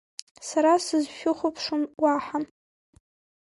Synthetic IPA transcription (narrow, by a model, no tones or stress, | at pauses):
saɾasɨzʃᶣʊχʷʊpʰʂʊnwaħan